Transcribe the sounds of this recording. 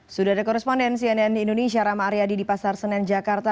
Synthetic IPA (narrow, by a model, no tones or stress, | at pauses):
sudaadakɔɾɛspɔndɛns̬iɛnɛnindonesiaɾamaːɾiadidipasarsənɛnd͡ʒakart̪a